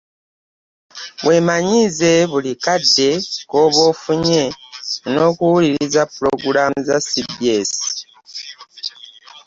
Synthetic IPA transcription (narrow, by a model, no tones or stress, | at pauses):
βwe̞ːmaɲize̞βulikadːe̞koβo̞ːfuɲe̞no̞ːkuwuliɾizapuɾo̰ɡuɾamuzasibiesi̥